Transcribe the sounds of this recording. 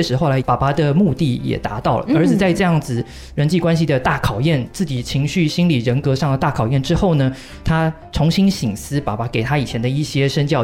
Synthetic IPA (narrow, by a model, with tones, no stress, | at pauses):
ɛ˥ʂɻ̩˧˥xo˥˩ʊla˧˥ɪpa˨˩pa˧˥d̪ə˨mu˥˧t̪i˥˩jɛ̰˨˩t̪a̰˧˥t̪ɑ˥˩ʊlə̰˩ə˞˧˥i˨˩t͡sa˥˧ɪʈ͡ʂɤ˥˧jɑ˥˩ŋd͡zɹ̩˩ | ɻə˧˥nt͡ɕi˥˩kwa˥nɕi˨d̪ə˩t̪a˥˩kʰɑ˨˩ʊjɛ˥˩nt͡sɹ̩˥˩t͡ɕi˨˩t͡ɕʰi˧˥ŋɕy˥˩ɕi˥nli˨˩ɻə˧˥nkɤ˧˥ʂɑ˥˩ŋd̪ə˩t̪a˥˩kʰɑ˨˩ʊjɛ˥˩nʈ͡ʂɻ̩˥xo˥˩ʊnə˩ | t̪ʰa˥ | ʈ͡ʂʰʊ˧˥ŋɕi˥nɕi˨˩ŋsɹ̩˥pa̰˨˩pa˧˥ke˨˩ɪt̪ʰa˥i˨˩t͡ɕʰjɛ˧˥nd̪ə˧i˥˩ɕjɛ˥ʂə˥nt͡ɕjɑ˥˧ʊ